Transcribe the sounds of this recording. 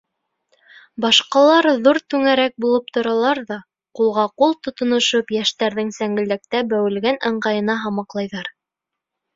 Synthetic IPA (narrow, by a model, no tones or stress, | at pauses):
bɑʃqɑlˠɑɾðuɾt̪ʉŋæɾæk̚bulˠɤp̚t̪ŏɾɑlˠɑɾðɑ | qulˠʁɑqulˠt̪ŏt̪ŏnŏʃopjæʃt̪æɾðɘŋsæŋɡɘ̆ld̪æk̚t̪æbæwɘ̆lɡænʔɤ̆ɴɢɑjɤ̆nɑɦɑmɑqlˠɑjðɑɾ